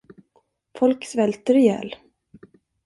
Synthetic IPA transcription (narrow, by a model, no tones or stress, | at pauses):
fɔlksvɛlt̪əɾɪjɛ̰ːl